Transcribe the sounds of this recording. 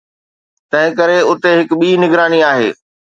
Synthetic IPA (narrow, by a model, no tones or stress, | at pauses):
t̪ɐ̃ɦɪ̃kɐɾeʊt̪eɦɪkɓiːnɪɡɾaːniaːɦḛː